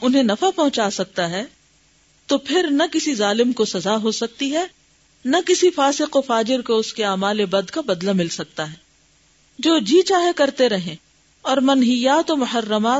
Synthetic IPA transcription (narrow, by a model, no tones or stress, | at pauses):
ʊnɦẽnɐfapɐɦʊ̃t͡ʃaːsɐk̚t̪aɦɛː | t̪opʰɪɾnɐkɪsizaːlɪmkosɐzaɦosɐk̚t̪iɦɛ | nɐkɪsifaːsɪqofaːd͡ʒɪɾkoʊskeaːmaːlebɐd̪kabɐd̪lamɪlsɐk̚t̪aɦɛː | d͡ʒoːd͡ʒiːt͡ʃaːɦekɐɾt̪eɾɐɦẽː | ɔːɾmɐnɦɪjaːt̪omʊħɐrːəmaː